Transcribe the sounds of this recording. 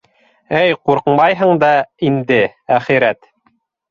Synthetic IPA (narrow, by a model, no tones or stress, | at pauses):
ɘjquɾqɤmɑjɦɤ̆ɴd̪ɑind̪ɘæχiɾæt̪